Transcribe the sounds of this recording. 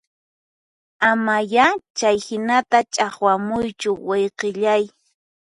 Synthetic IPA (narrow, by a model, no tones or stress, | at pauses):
amajat͡ʃajhɪnat̪at͡ʃʼaχwamʊjt͡ʃʊwejqeʎaj